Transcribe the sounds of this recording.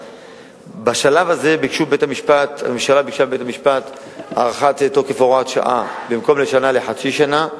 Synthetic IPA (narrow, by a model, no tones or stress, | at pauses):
baʃalavaze̞bikʃubetamiʃpat̪eʃalabikʃabebet̪amiʃpat̪ | a̰ʁaχat̪et̪okefoʁat̪ʃa̰ʔa̰bimko̞mle̞ʃanaleħaʃiʃana